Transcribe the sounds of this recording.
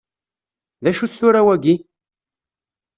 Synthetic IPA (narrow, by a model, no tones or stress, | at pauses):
ðæʃuθʊɾawæɡi